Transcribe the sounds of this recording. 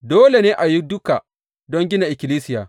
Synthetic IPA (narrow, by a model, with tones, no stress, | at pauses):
doː˦le˨neː˦ʔa˨ji˦dʊ˦ka˨ | dɔ˦ŋɡʲɪ˦na˨ʔɪ˨kʲɪ˨liː˦sɪ˦jaː˨